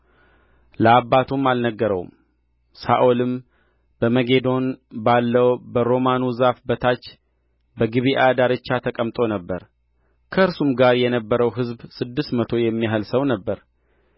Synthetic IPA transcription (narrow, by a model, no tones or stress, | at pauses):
ləabːat̪ʰumalnəɡːəɾə̰w̰m | sa̰ʔolɨm | bəməɡe̞d̪o̞nbalːəwbəɾo̞manuzafbət̪ʰat͡ʃː | bəɡɨβiʔad̪aɾɨt͡ʃːat̪ʰəkʼəmt̪ʼo̞nəbːəɾ | kʰəɨɾsumɡaɾjɛnəbːəɾəwɦɨzbsɨd̪ːɨst̪mət̪ʰo̞jɛmːiɦəlsəwnəbːəɾ